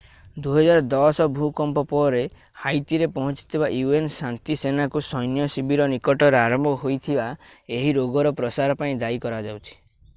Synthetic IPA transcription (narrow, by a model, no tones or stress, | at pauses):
d̪uɦɔd͡ʒaɾɔd̪ɔsɔbʱukɔmpɔpɔɾe | hajt̪iɾepɔɦɔ̃t͡ʃi̥t̪ʰibaʔjuensant̪isenakusɔjnjɔsibʱiɾɔnikɔʈɔɾeaɾɔmbʱɔɦojt̪ʰibaeɦiɾoɡɔɾɔpɾɔsaɾɔpaĩd̪aikɔɾad͡ʒawt͡ʃʰi̥